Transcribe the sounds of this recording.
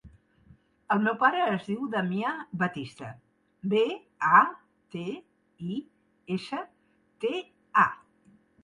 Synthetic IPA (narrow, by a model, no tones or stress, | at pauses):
əlˠmewpaɾəːzðiwd̪əmiaβət̪ist̪ə | be | a | t̪e | i | esə | t̪e | a̰